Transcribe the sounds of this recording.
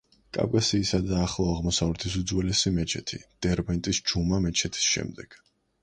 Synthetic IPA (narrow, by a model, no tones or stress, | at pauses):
kʼa̰vkʼasiːsad̪aːχlˠɔaʁmɔsavlɛt̪ʰisud̪zwɛlɛsimɛt͡ʃʰɛt̪ʰḭd̪̥ɛɾbɛnt̪ʼisd͡ʒumamɛt͡ʃʰɛt̪ʰi̥sʃɛ̰md̪ɛɡ̥